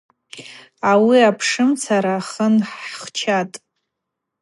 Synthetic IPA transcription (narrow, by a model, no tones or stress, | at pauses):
awiapʰʂɨmt͡sʰaɾaχənħχt͡ʃʰatʼ